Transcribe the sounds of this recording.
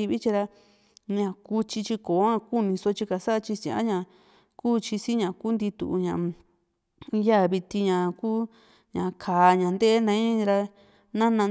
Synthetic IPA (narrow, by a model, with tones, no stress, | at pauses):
i˧βi˦t͡ʃi˧ɾa˧ | ɲã˨ku˧t͡ʃi˧t͡ʃi˧koː˨˦ã˦˧ku˦˨nĩ˧so˧t͡ʃi˧ka˨sa˦˧t͡ʃi˧sĩ˨ʔã̰˦ɲã˨ | kuː˦t͡ʃi˧si˦ɲã˨kuː˦nd̪i˧t̪ṵ˧˨˧ɲã˨ʔ | ja˦˨βi˧t̪i˧ɲã˨kuː˦ | ɲã˨kʰaː˨˧ɲã˨nd̪e˦nã˧ĩ˦ɾa˧ | nã˦nã˧